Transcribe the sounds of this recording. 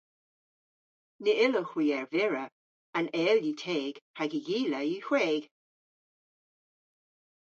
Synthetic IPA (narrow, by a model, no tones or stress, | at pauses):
nəɪləxwiːɛɹvɪɹə | anɛːljiːtʰeːɡ̥haɡəjiːləjiːxweːɡ̥